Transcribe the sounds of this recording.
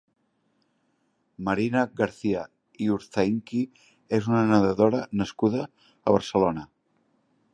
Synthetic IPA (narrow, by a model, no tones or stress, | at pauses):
məɾinəɣəɾθiə | iuɾθaiŋki | ezunənəðəðoɾənəskuðə̰ː | βəɾsəlonə